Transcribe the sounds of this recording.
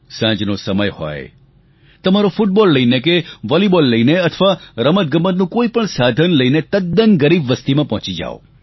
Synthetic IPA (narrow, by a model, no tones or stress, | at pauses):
sãd͡ʒnosəməjhɔ̰j | t̪əmaɾofuʈ̚bɔlːəinekeʋɔlibɔlːəineət̪ʰʋaɾəmət̪̚ɡəmənnũkoipəɳsad̪ʱənləinet̪əd̪̚ːənɡəɾibʋəst̪imãpɔ̃ɦt͡ʃid͡ʒa̰o̰